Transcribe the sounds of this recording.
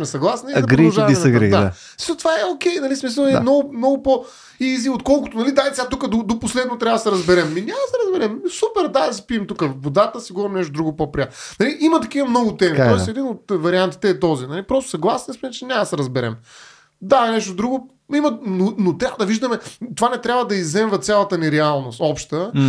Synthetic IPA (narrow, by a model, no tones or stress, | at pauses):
smɛsɐɡlˠasniizɡɾiʒavisɡḭd̪aa | i̥ʃot̪vaɛokʲɛjnɐlismis̬əlˠmnɔɡʊmnɔɡʊpo | iziot̪kɔlˠkʊt̪onɐlid̪ait̪ʲat̪ukəd̪od̪oposlɛd̪not̪ɾʲavɐsɛɾɐzbɛɾɛmːinʲamɐsɛɾɐzbɛɾɛmsupɛɾd̪ad̪ɐs̬i̥piɛmt̪ukəvod̪at̪əsiɡuvɐmnɛʃt̪od̪ɾuɡʊpopɾiat̪nnɐliʔimɐt̪ɐk̟ivɐmnɔɡʊt̪ɛmit̪ɔɛsɛd̪inot̪vɐɾiant̪i̥t̪ɛːt̪ɔzinɐlipɾɔst̪ʊsɐɡlˠasniəsmɛɛt͡ʃɛnʲamsɛɾɐzbɛɾɛ̰m | d̪anɛʃt̪od̪ɾuɡʊ | imɐnonot̪ɾʲabvəd̪ɐviʒd̪ɐmɛt̪ovanɛt̪ɾʲabvɐd̪ɐizːɛmvɐt̪sʲjalˠɐt̪əniɾɛalˠnost̪ɔpʃt̪ə